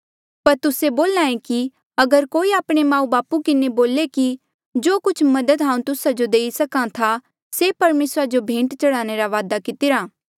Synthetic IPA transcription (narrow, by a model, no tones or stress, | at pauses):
pɐɾt̪ʊseboːlãːẽki | ɐɡəɾkoːiaːpɽ̃emãːũbaːpukɪneboːleki | d͡ʒoːkʊt͡ʃʰmɐd̪əd̪ɦãːũt̪ʊsad͡ʒod̪eːisɐkãt̪ʰa | sepɐɾmeːsɾad͡ʒobʱẽːɳʈt͡ʃɐɽaːñeɾaʋaːd̪akɪt̪ɪɾaː